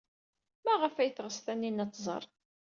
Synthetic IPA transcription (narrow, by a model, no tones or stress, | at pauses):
mæʁəfæjəθʁəsθænːinæt͡s̪ˤːzˤə̰ɾˤ